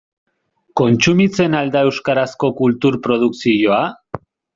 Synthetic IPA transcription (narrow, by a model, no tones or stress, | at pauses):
ko̞nt͡sumit͡se̞nald̪ae̞wskaɾasko̞kult̪uɾpɾo̞ð̞uksiʝo̞a